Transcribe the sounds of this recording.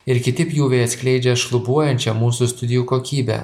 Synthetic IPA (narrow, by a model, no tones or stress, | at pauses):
ɪɾkʲɪt̪ʲɪpjuːʋʲɛɪɐt̪sʲklʲɛɪd͡ʒʲɛʃlˠʊbuɔjɛnʲt͡ʃʲɛmuːsust̪ʊd̪ʲɪjuːkoːkʲiːbʲɛ̰